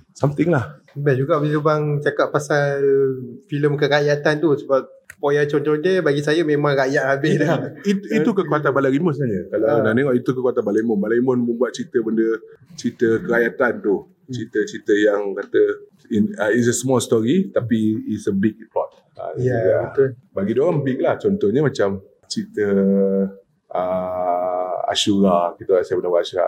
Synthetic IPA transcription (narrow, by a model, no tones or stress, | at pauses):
samt̪ɪŋlah | bɛd͡ʒuɡaʔbəniɾubaŋt͡ʃakaʔ̚pasalfiləmkəkajat̪ant̪usəbap̚pojat͡ʃont͡ʃɔndəbaɡisajəmẽmãŋɾajaʔabɪdɛit̪it̪ukəkuat̪anbalaɾimʊnsənad͡ʒəkalanaʔneŋɔʔit̪ukəkuat̪anbalaimʊnbalaimʊnmənbwaʔ̪̚t͡ʃit̪əbəndət͡ʃit̪əkəɾajat̪ant̪u | t͡ʃit̪ət͡ʃit̪əjaŋkat̪ə | inis̬əsəmɔlst̪ɔɾit̪apiːsəbik̚plɔ̰t̪̚ | a̰uɡaət̪baɡidoɣambik̚laht͡ʃɔnt̪ɔhɲəmãt͡ʃam | t͡ʃit̪ə | ʔə | a̰ʃuɾakit̪əasajabənabwaaʃuɾa̰